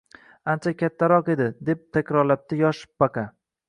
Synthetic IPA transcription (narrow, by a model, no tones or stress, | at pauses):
ant͡ʃʰakʲʰat̪ʰːaɾɒqe̞d̪ɪd̪e̞p̚t̪ʰakʲɾɒɾlap̚t̪ɪjɒʃpbaqa